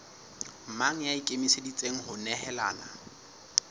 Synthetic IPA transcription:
m̩maŋ̩jaikʼemisedit͡sʼeŋ̩ɦʊnɛɦɛla̰ːna̰

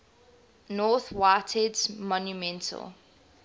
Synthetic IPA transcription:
nɔˑθwaɪtʰɛdsmɔ̃njumɛ̃ntʰə̰lˠ

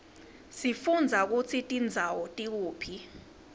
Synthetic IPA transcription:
sifund͡zʱak̬ut͡sʰitʼind͡zʱawɔtʼik̬uːpʰi

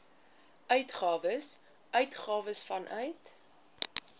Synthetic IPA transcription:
ʔœɥtχɑːvəs | ʔœɥtχɑːvəsfɐnʔœ̰ɥt

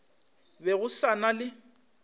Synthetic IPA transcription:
bɛɣʊsanalɪ

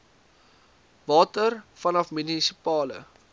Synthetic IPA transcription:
vɑːtərfɐnɐfmynisipɑːlə̰

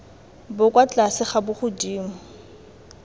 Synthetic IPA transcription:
bʊkʼwat͡ɬʼasɪχabʊχʊdiːmʊ

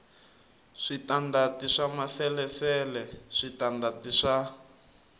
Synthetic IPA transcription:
ʂitandatiʂamasɛlɛsɛlɛʂitandatiʂa

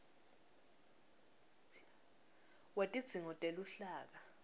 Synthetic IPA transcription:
watʼid̥z̥ʱiŋɔtʼeluɬaːk̬a

